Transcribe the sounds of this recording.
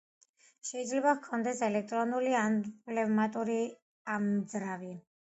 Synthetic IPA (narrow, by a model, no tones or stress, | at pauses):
ʃɛid̪zlɛbakʰɔnd̪ɛsɛlɛk̚ʰt̪ʼɾɔnulianpʼlɛvmat̪ʼuɾi | amzɾavi